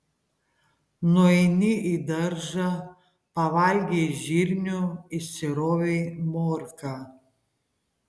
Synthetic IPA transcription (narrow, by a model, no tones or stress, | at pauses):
noɛnʲɪid̪ɐɾʒɐ | pɐʋɐlʲɡʲeːʒʲiɾʲnʲʊɪsʲɪɾoːʋʲemoːɾka